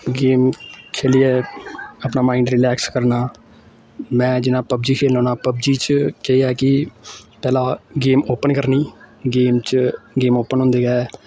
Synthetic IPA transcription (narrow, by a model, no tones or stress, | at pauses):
ɡeːmkʰeːlijɛːəpnaːmaːĩːɳɖɾɪlɛːkskəɾnaː | mɛ̃ːd͡ʒɪnãːpəbd͡ʒiːkʰeːlõːnaːpəbd͡ʒiːt͡ʃkɛijaːkɪpɛːlaːɡeːmoːpənkəɾniːɡeːmt͡ʃɡeːmoːpənɦʊ̃nd̪eːɡɛː